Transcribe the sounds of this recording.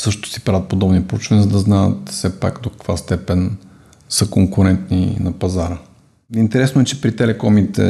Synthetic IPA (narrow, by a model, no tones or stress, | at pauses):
sɤʃt̪ot̪o̥si̥pɾavət̪̚pod̪ɔbnipɾout͡ʃvɐnizəd̪ɐznaə̰t̪fsɛpa̰kd̪okɐ̥kvast̪ɛpɛn | səkoŋkʊɾɛnt̪nḭnɐpɐzaɾə | int̪ɛɾɛsnoɛt͡ʃɛpɾit̪ɛlɛkɔmit̪ɛ̰